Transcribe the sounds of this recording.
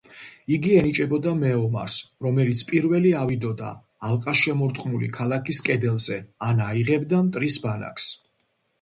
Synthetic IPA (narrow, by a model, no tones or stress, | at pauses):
iɡiɛnit͡ʃʼɛbɔd̪amɛɔma̰ɾsɾɔmɛlit̪sʰpʼiɾvɛliavid̪ɔd̪a̰ː | lˠqʼasʃɛmɔɾt̪ʼqʼmulḭkʰalˠakʰiskʼɛd̪ɛlˠzɛanaiʁɛbd̪amt̪ʼɾisbana̰kʰs